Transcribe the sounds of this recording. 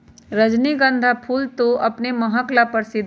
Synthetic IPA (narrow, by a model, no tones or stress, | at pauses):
ɾəd͡ʒniɡə̃nd̪ʱapʰuːlt̪oʔɐpneməɦəklapəɾsɪd̪ʱ